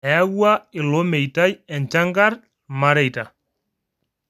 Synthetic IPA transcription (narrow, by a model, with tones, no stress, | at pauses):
ɛ˨a˦wwa˦ɪ˨lɔ˦mɛ˨jta˦jɛ˨nt͡ʃa˦ŋɡa˦r | ma˦ɾɛ˨jta˨